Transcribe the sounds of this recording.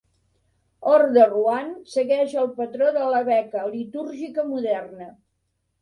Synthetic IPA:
ɔrðəruansəɣɛʒəlˠpət̪ɾoðələβɛkəlit̪uɾʒikəmuðɛrnə

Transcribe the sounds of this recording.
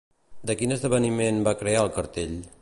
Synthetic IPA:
d̪əkinəzðəβ̞ənimenbakɾeaəlˠkəɾt̪eʎ

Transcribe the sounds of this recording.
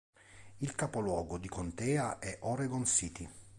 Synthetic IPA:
ilkapolwɔːɡod̪ikʰont̪ɛːaʔɛʔoɾeɡonsiːt̪ʰi

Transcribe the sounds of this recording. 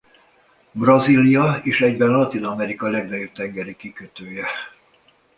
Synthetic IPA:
brɒzilijɒeːʃɛɟbɛnlɒt̪inɒmɛɾikɒlɛɡnɒjob̚t̪ɛŋɡɛɾikikøt̪øːjɛ

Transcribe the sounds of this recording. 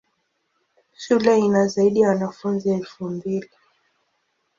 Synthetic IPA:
ʃulɛinazaiɗijawanafunziɛlfumbili

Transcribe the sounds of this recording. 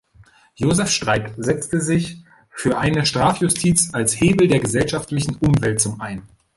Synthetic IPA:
joːzɛfʃtʁ̥aɪkzɛt͡stəzɪç | fyːɐʔaɪnəʃtʁ̥aːfjʊstʰiːt͡salsheːbl̩deːɐɡəzɛlʃaftlɪçn̩ʔʊmvɛlt̚t͡sʊmʔaɪn

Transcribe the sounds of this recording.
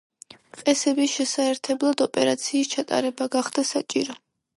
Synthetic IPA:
qʼɛsɛbisʃɛsaɛɾt̪ʰɛblˠad̪ɔpʼɛɾat̪sʰiːst͡ʃʰat̪ʼa̰ɾɛbaɡaχd̪̥asat͡ʃʼiɾɔ

